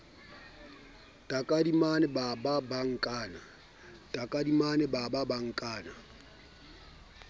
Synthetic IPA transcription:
tʼakʼadimanɛbababaŋ̩kʼaːna | tʼakʼadimanɛbababaŋ̩kʼaːna

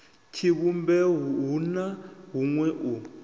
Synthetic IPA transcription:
tʰiβumbɛɦɦunaɦuŋwɛʔu

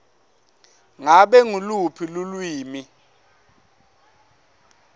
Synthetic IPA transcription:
ŋaɓɛŋulupʰilulwiːmi

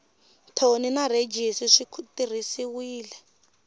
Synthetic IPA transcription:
tʰoninaɾed͡ʒisiʂikʰutirisiwiːlɛ

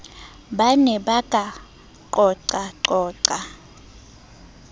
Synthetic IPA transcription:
ɓanɛɓaɡ̥ʱʼa | ǃɔǀaǃɔːǀa

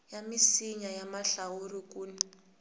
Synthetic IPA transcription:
jamisiɲajamaɬawurik̬ʼuːni

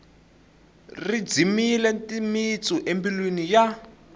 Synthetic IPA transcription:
rid͡zimilɛntʼimit͡suʔembilwinija

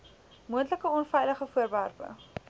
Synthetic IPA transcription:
muəntləkəɔnfɛjləχəfuərværpə̰

